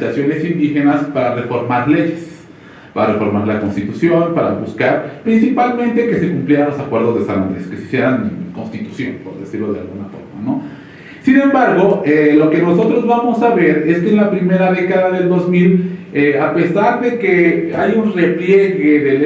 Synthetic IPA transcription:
t̪asjo̞ne̞sind̪ixe̞naspaɾare̞fo̞ɾmaɾle̞ʝes | paɾarefo̞ɾmaɾlako̞nst̪it̪usjo̞npaɾa̰βuskaɾpɾinsipalmẽnt̪e̞ke̞se̞kumpljeɾanlo̞sakwe̞ɾðo̞zðesana̰ɾeskesisje̞ɾanko̞nst̪it̪u̥sjo̞̰npo̞ɾðe̞siɾlo̞ðea̰lɣunafo̞̰ɾma̰no̞ | sinẽ̞mbaɾɣo̞elo̞ke̞no̞so̞t̪ɾo̞zβamo̞saβe̞ɾe̞skeːnlapɾime̞ɾaðe̞kaðaðe̞ld̪o̞zmileape̞saɾðe̞ke̞ajunre̞plje̞ɣe̞ðele

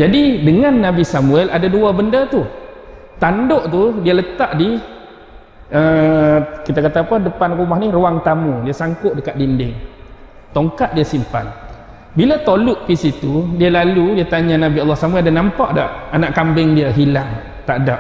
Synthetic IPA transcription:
d͡ʒadidəŋanːabisamuɛladaduabəndət̪u | t̪andoʔt̪udiələt̪aʔdi | ə | kit̪akat̪aːpədəpankumahniruwaŋt̪amudiasaŋkʊʔ̚dəkaʔ̪̚dindɪŋ | t̪oŋkaʔ̪̚diasimpa̰n | bilat̪olʊʔpisit̪udialaludiat̪aɲanabialːahsamuɛldanampaʔdaʔanaʔkambɪŋdiaɦilaŋ | t̪aʔdaʔ

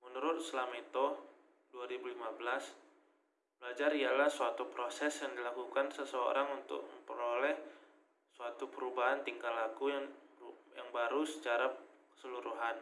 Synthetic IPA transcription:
mənuɾʊt̪̚səlamait̪o | duaɾibulimabəlas | b̥əlad͡ʒaɾialahsuat̪upɾosɛsjaŋdilakukansəsəo̰ɾaŋunt̪ʊ̰k̚mə̰mpəɾolɛh | suat̪upəɾubaɦant̪iŋɡalakuj | jaŋbaɾusə̥t͡ʃaɾakə̥səluɾuɦan

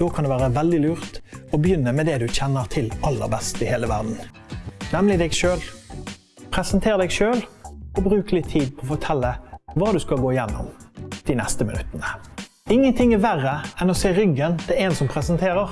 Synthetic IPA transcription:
d̪̥oːkʰɑnd̪ɛʋæːʁəʋɛld̪ɪlʉːʁt̪ɔbəjʏnːəmɛd̪ɛd̪ʉçɛnːəʁt̪ʰɪlʔɑlːə̰ʁbɛst̪ɪheːləʋæ̰ʁd̪n̩ | nɛmlɪd̪ɛɡʃøːl | pʰʁɛsənt̪ʰeːʁd̪ɛɡʃøːlɔbʁʉːklɪt̪ʰːiːd̪̚pʰɔːfɔt̪ʰɛlːəʋɑːd̪ʉskɑlɡoːɪjɛnːɔ̰md̪̥ɪnɛst̪əmɪnʉ̰t̪ːənə | ɪŋːənt̪ʰɪŋɛʋæʁəɛnɔseːɾʏɡːənt̪ʰɛlɛːnsɔmpʰʁɛsənt̪ʰeːʁəʁ

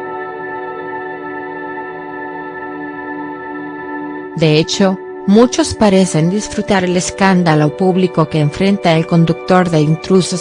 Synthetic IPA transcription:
d̪e̞et͡ʃo̞ | mut͡ʃo̞spaɾe̞se̞nd̪isfɾut̪aɾele̞skand̪alo̞puβliko̞ke̞ːɱfɾe̞nt̪anelko̞nd̪uk̚t̪o̞ɾðe̞int̪ɾusos

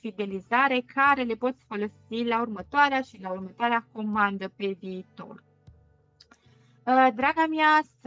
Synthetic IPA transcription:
fid̪e̞lizaɾe̞kʰaɾe̞le̞po̞t̪sʲfo̞lo̞silaurmət̪oaɾeaʃilaurmət̪oaɾeako̞mand̪əpe̞viːt̪o̞̰r | d̪ɾaɡamias

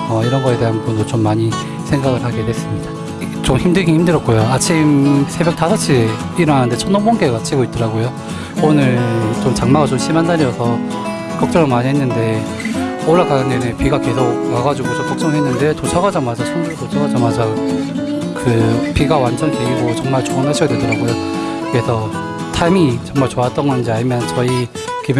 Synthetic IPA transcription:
ʌiɾʌnɡʌe̞de̞ɦanbundot͡ɕomːaɲi | sʰeŋɡaɡɯɭhaɡe̞dwe̞s͈ɯmɲid̥a | t͡ɕomçimdɯɡihimdɯɾjʌk̚k͈ojoat͡ɕʰimsʰe̞bjʌk̚tasʰat͡ɕʰipiɾʌanɯnde̞t͡ɕʰʌnobonɡeɡat͡ɕʰiɡoit̚t͈ʌɾaɡojo | onɯɭt͡ɕomt͡ɕaŋmaɡat͡ɕomɕʰimandaɾiʌsʰʌ | kʌk̚t͡ɕ͈ʌŋɯnmaɲiɦenːɯnde̞ | oɭːakanɯnenɯpiɡake̞sʰok̚naɡad͡ʑuɡot͡ɕompʰak̚t͡ɕ͈ʌŋɦe̞nːɯndetot͡ɕʰaɡad͡ʑamad͡ʑat͡ɕʰʌnd͡ʑuɾtot͡ɕʰaɡad͡ʑamad͡ʑa | kɯpiɡawand͡ʑʌŋteɡiɡot͡ɕʌŋmaɭt͡ɕoŋanɦaɕʰiɡadwe̞dʌɾaɡojokɯɾesʰʌ | tʰamit͡ɕʌŋmaɭt͡ɕoat͈ʌŋɡʌnd͡ʑiaɲimjʌnt͡ɕʌi | keb

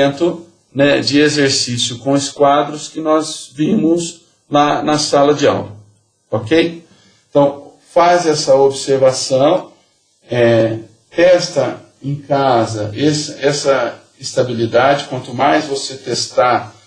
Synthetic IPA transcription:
nt̪ʊ | nɛd͡ʒɪezeɾsisjʊkõɪskwad̪ɾʊskɪnɔzvĩmʊz | lanɐsalɐd͡ʒɪa̰wɾɐ | okej | ẽt̪ɐ̃w̃ | fazɛsɐobseɾvasɐ̃w̃ | ɛ | t̪ɛst̪ɐ | ẽkazɐ̰ʔesɐɛsɐ | ɪst̪abilid̪ad͡ʒɪkwɐ̃nt̪ʊmajzvoset̪est̪aɾ

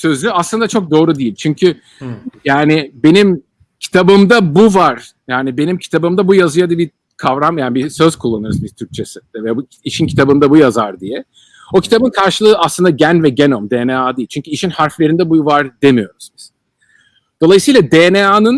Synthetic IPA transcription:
sø̞zyaslˠɯnd̪at͡ʃʰo̞k̚d̪o̞ːɾud̪ijilʲt͡ʃʰyɲcʰy | jaːnɪbe̞nim | cʰi̥t̪ʰabɯmd̪abuvaɾ̥ | jaːnibe̞nimcʰi̥t̪ʰabɯmd̪abujazɯjad̪abi | kʰavɾamjaːnibisø̞z̥kʰulˠːanɯɾzmizt̪ʰyɾk̚t͡ʃʰesi̥d̪ɛvɛb | iʃincʰi̥t̪ʰabɯnd̪abujazaɾd̪ijɛ | o̞cʰi̥t̪ʰabɯnkʰaɾʃɯlˠɯːaslˠɯnd̪aɟænvɛɟenomd̪eːneaːd̪ijilʲt͡ʃyɲcʰyiʃinhaɾflʲeɾind̪ɛbuvaɾd̪e̞mijo̞ɾuzniz̥ | d̪̥o̞lˠajɯsɯːlˠad̪eːneaːnɯn

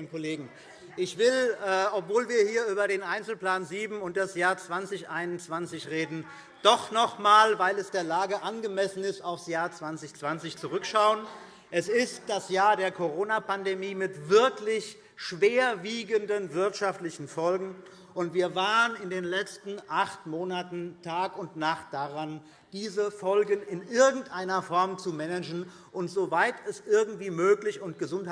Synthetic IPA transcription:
kʰoleːɡŋ̩ | ʔɪçv̥ɪlɛːʔɔpv̥oːlviːɐhiːɐʔyːbɐɾeːnʔaɪnt͡sl̩pl̥aːnziːbm̩ʊnt̚d̥asjaːɐt͡sv̥ant͡sɪçʔaɪnʊnt͡sv̥ant͡sɪçʁeːdn̩ | d̥ɔχnɔχmaːlvaɪlɛsd̥eːɐlaːɡəʔanɡəmɛsn̩ɪstaʊfsjaːɐt͡sv̥ant͡sɪçt͡sv̥ant͡sɪçt͡suʁʏkʃaʊən | ʔɛsɪstd̥asjaːɐdeːɐkʰoʁ̞oːnapandemiːmɪtv̥ɪɐklɪç | ʃv̥eːɐviːɡəndənvɪɐtʃaftlɪçn̩fɔlɡŋ̩ | ʔʊntv̥iːɐvaːʁənɪndeːnlɛt͡stn̩ʔaχtmoːnatn̩tʰaːkʊntnaχt̚d̥aʁan | d̥iːzəfɔlɡənɪnʔɪɐɡŋ̩tʔaɪnɐfɔɐmt͡sumɛnɛd͡ʒn̩ | ʔʊntz̥ovaɪtʰɛsʔɪɐɡŋ̩tv̥iːmøːklɪçʊntɡ̥əzʊnt

